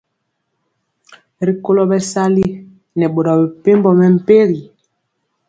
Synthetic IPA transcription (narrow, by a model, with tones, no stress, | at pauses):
ɾi˦ko˦lɔ˦bɛ˦sa˦li˦ | nɛ˨ɓo˨dɔ˨bɛ˨pe˦mbɔ˨mɛ˦˨m̩˨pe˦ɾi˨